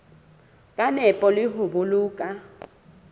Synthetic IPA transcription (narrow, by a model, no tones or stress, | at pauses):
kʼanɛpʼɔlɪɦʊbuluːkʼa